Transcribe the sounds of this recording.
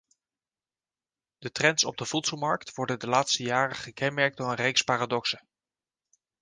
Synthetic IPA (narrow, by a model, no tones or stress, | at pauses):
d̥ətrɛntsɔ̰b̚dəv̥utsəlˠmɑɹktʋɔɹdəndəlaːtstəjaːrəχəkɛnmɛɹk̚tonənrejkspaːradɔksə